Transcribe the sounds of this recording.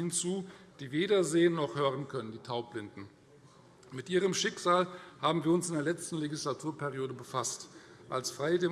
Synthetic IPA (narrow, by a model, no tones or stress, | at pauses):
hɪnt͡suːd̥iːveːɾɐzeːənːɔχhøːʁənkʰœnəndiːtʰaʊplɪndn̩ | mɪtʔiːʁ̞əmʃɪkz̥aːlhaːbm̩viːɐʊnsɪndeːɐlɛt͡stn̩leɡislatʰuːɐpʰɛʁioːɾəbəfastʔalsfʁ̥aɪədeː